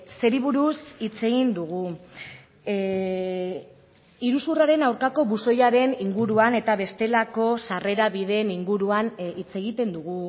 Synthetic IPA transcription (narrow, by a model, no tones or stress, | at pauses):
se̞ɾiβuɾusit͡se̞ɣind̪uɣ̞u | iɾusuraɾe̞nawɾkako̞βuso̞jaɾe̞niŋɡuɾuane̞t̪aβe̞st̪e̞lako̞sare̞ɾaβiðe̞ːniŋɡuɾuanit͡se̞ɣit̪e̞nd̪uɣ̞u